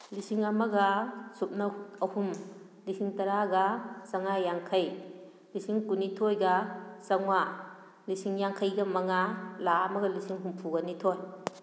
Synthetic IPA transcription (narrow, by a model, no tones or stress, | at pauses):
lisiŋɐmɐɡɐsup̚nɐɐhum | lisiŋtɐɾaɡɐsɐŋajaŋkʰɐj | lisiŋkunitʰojɡɐsɐŋwa | lisiŋjaŋkʰɐjɡɐmɐŋalaɐmɐɡɐlisiŋɦumpʰuɡɐnitʰoj